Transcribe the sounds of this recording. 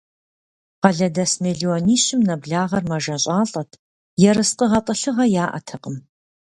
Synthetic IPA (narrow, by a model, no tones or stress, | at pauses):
qɐɮɐdɐsmeɮiɔniːɕɪmnɐbɮaːʁɐrmɐʒɐɕʼɑːɬʼɐtʰ | jɛɾɨsqəʁɐqʼəɬɨʁɐjaːʔɐ̰tʰɐqʼəm